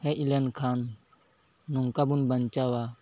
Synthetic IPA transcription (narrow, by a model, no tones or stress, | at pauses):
heʔilenkʰanː | uŋkabunbɐnt͡ʃawa